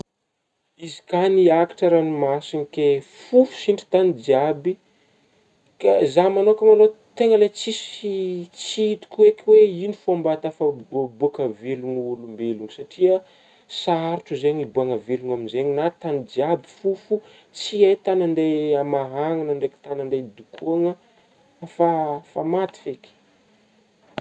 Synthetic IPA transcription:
izi̥kaniaki̥ʈ͡ʂəɾanimasinikefufu̥siɳʈ͡ʂi̥t̪anid͡ʒiabi | kazamanokʲamalot̪eŋəlet͡sisit͡siit̪u̥kʲuekweinifambat̪afabuakəveluŋulumbeluŋisaʈ͡ʂiə | saaɾuʈ͡ʂəzeɲibuaŋəveluŋaminzeɲinat̪anid͡ʒiabi̥fufu | t͡siejt̪anaɳɖ͡ʐejamaɦaŋanaɳɖ͡ʐeki̥t̪anaɳded̪ukʰuaŋə | fafamat̪i̥feki̥

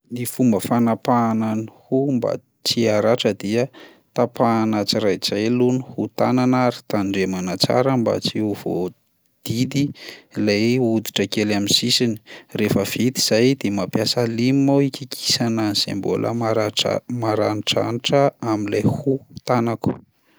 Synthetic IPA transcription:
nifumbəfanapaːnanihumba̰ | t͡siaɾaʈ͡ʂəd̪iə | t̪apaːnat͡siɾajt͡sajlunuhut̪ananaɾi̥t̪aɳɖ͡ʐemanat͡sa̰ɾəmba̰t͡siuv̥o̰ | d̪̥id̪ilajud̪i̥ʈ͡ʂəkelaminsisini̥refəv̥it̪iz̥ajd̪emapjasalimmaikikʰi̥sananzḛmbo̰lʔə̰maɾaʈ͡ʂmaɾaniʈ͡ʂa̰niʈ͡ʂəamilajhut̪anaku̥

